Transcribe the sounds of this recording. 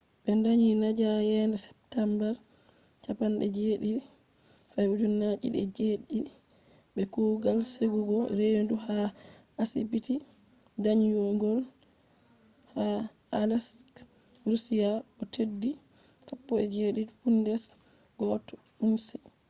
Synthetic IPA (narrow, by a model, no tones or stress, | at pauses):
bɛndaɲinad͡ʒajɛndɛsɛ̥p̚tambɛɾ | t͡ʃapanɗɛd͡ʒeɗiɗi | fajud͡ʒunːat͡ʃḭɗɛ̰d͡ʒeɗiɗi | bɛkuːɡalseɡuɡɔɾenduha | asibiti | daɲjɔŋɡɔl | ha | alas | ɾusijaɔtʰedːi | sapːɔɛd͡ʒeːɗidpundɛs | ɡ̥ɔtɔ | unsɛ